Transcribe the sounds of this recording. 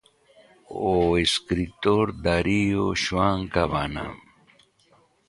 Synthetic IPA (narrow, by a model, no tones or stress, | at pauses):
oiskɾit̪oɾd̪aɾijoɕwaːŋkabana̰